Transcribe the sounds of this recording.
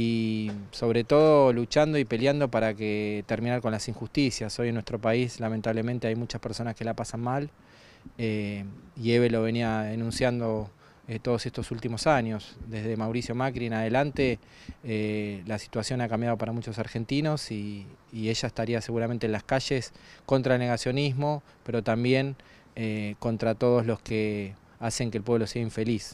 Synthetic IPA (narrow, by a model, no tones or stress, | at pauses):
iso̞βɾe̞t̪o̞ðolut͡ʃand̪o̞ipe̞ljand̪o̞paɾaket̪eɾminaɾko̞nlasiŋxust̪isjaso̞jenweht̪ɾo̞paislamẽnt̪aβle̞ment̪eajmut͡ʃaspeɾso̞naske̞lapasanmal | eie̞βe̞lo̞βe̞niaðenũnsjand̪o̞ | et̪o̞ð̞ose̞st̪o̞sult̪imo̞saɲo̞sd̪e̞zðe̞mawɾisjo̞makɾienaðe̞lant̪e̞ | elasi̥t̪wasjo̞nakambjaðo̞paɾamut͡ʃo̞saɾxe̞nt̪ino̞siːe̞ʃaest̪aɾiase̞ɣuɾament̪enlaskaʃe̞sko̞nt̪ɾaelneɣasjo̞nizmo̞ | pe̞ɾo̞t̪ambje̞ŋ | eko̞nt̪ɾat̪o̞ð̞o̞zlo̞ske | ase̞ŋkelpwe̞βlo̞seaiɱfe̞lis